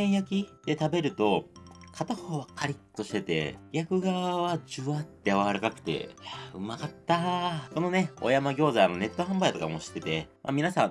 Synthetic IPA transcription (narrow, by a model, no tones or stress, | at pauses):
ẽjakʲid̪̥e̞t̪abe̞ɾɯ̟t̪o̞kʰat̪ahoːβakːaɾʲit̪ːo̞ɕi̥t̪e̞t̪e̞̰ɡʲakɯ̟ɡaβad͡ʑɨβat̪ːeaβaaɾakakɯ̟̥t̪e̞̰jaɯ̟makat̪ːako̞no̞ne̞o̞̰jamaɡʲo̞ːzaːno̞ne̞t̪ːo̞ɦãmbait̪o̞kamo̞ɕi̥t̪ːe̞t̪e̞mʔa̰mʲinasãŋ